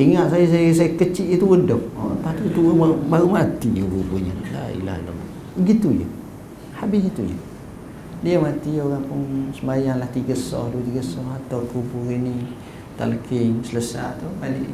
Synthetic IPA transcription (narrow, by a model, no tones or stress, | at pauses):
iŋaʔsajəs̬ajəsajəkət͡ʃiʔjət̪uwədɔʔapaht̪ut̪uəmabaɾumat̪ijəbubuɲə̰la̰ḭla̰hḭlo̰m | əɡit̪ujə̰ | habɪsɡit̪ujə̰ | diamat̪ioɾaŋpʊnsəmajaŋlaht̪iɡəsɔ̰hduwət̪iɡəsɔhat̪awʔk̪upuɾini | t̪a̰lkɪŋsələsa̰ʔt̪ubalɪʔ